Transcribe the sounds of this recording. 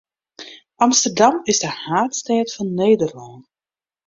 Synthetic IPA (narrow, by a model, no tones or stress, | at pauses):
ʔɑmstərdɑmɪsdəhaːtstɛːtfɔnːeːdərlɔː